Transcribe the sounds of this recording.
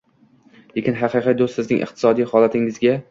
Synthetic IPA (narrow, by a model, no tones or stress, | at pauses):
jekʲɪnɦɑqʰɨjqʰɨj̚d̪ost̪sɪznɪŋʔɨ̰q̚t̪ʰɪ̥sɒd̪ijχɒlˠat̪ʰɪŋɪzɡʲa